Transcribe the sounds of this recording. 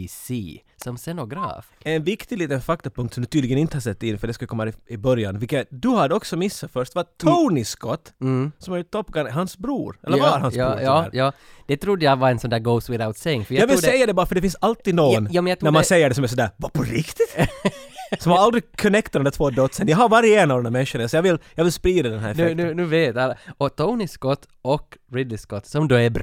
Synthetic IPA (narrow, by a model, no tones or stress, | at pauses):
siː | sɔmsɛnɔɡɾɑ̰ːfɛɛnvɪkt̪ɪɡliːt̪ənfak̚t̪ɔpɵŋkt̪sɔmd̪ʉt̪ʰyːd̪lɪɡənɪnt̪əhasɛt̪ːɪnfœɖɛskadkɔmːaɾɪbœɾjanvɪlkːd̪ʉɦad̪ɔksɔmɪsːafœʂt̪vat̪ʰaʊnɪskɔt̪ːsɔmhaɾjt̪ʰɔpːɡaŋhansbɾṵːɾɛ̰lːəvaaɾhan̰ːɾjɑː | d̪̥ɛt̪ʰɾud̪ːəjavaɾɛnsɔnd̪æːɾɡoʊswɪðaʊt̪sɛɪŋfœɾjajɑɡvɪluːsdɛjːad̪ɛbɑːɾafœɖɛfɪnsalt̪iːd̪nɔnjuːmɛnjɑt̪ʰɾnæɾmmansɛjːəɖɛsɔmæs̬ɔnd̪æːɾvapʰɔɾɪkt̪ɪt̪ | sɔmhaɾald̪ɾɪkʰːɔnɛkt̪d̪ɛnæt̪ʰvoːd̪œt̪ːsənjaɦaɾvaɾjəeːnavd̪ɛnæɾmɛnʂʊnasɔjɑɡvɪljɑɡvɪlspɾiːd̪ad̪ɛnɦæ̰ɾnʉʉːnʉːveːt̪alɔt̪ʰoʊnɪskɔt̪ːɔkɾɪd̪ɪskɔt̪ːsɔmd̪oæɾbɾ